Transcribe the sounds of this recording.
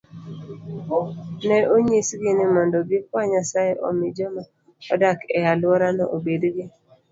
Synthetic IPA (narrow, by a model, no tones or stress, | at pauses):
nɛʔoɲisɡɪnɪmɔndɔɡɪk̚waɲasajeʔɔ̰mɪd͡ʒɔma | ɔ̰dakɛjalwɔɾanɔʔobedɡɪ